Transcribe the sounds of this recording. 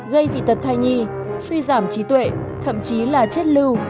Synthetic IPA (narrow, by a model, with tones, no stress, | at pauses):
ɣə˧jzḭ˧˨t̪ə˨˩t̚t̪ʰa˧jɲi˧ | swi˧zaː˧˩mt͡ɕi˨˦t̪wḛ˧˨ | t̪ʰə̰˧˨mt͡ɕi˨˦laː˨˩t͡ɕe˦˥t̚lɨ˧w